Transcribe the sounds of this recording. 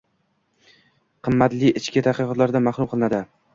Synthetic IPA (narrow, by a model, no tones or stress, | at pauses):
qʰɨmːat̪lɪɪt͡ʃkʲɪt̪ʰaqɨqɒt̪laɾd̪amaχɾʊmqʰɨlˠɪnad̪ɪ